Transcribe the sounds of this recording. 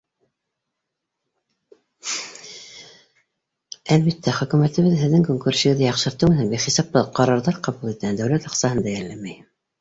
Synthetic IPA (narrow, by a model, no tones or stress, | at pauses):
ælβit̪ʰːæχɵ̆kʉmæt̪ɘ̆βɘðɦɘ̆ðːɘŋkoŋkuɾsɘ̆ɡɘ̆ðɘjɑqʃɤ̆ɾt̪ɤmɘnænbiχisɑp̚t̪ɤqɑɾɑɾðɑɾqɑβulˠit̪ænd̪æwlæt̪ɑqsɑɦɤnd̪æjæɾlæmæj